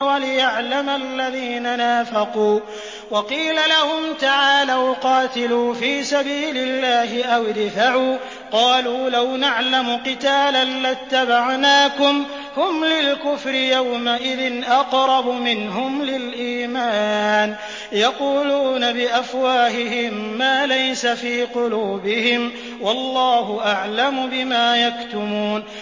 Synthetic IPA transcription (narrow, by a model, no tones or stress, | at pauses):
walɪjaʕlamalːaðiːnanaːfɑquː | wɑqiːlalahʊmt̪aʕaːlaːwqɑːt̪ɪluːfiːsabiːlɪlːaːɦɪʔawd̪faʕuː | qɑːluːlawnaʕlamʊqɨt̪aːlanlat̪ːabaʕnaːkʊm | hʊmlɪlkʊfɾɪjawmaʔɪðɪnʔɑqɾˤɑbʊmɪnɦʊmlɪlʔiːmaːn | jɑquːluːnabɪʔafwaːɦɪɦɪmːaːlajsafiːqʊluːbɪhɪm | wɑlːɑːɦʊʔaʕlamʊbɪmaːjakt̪ʊmuːn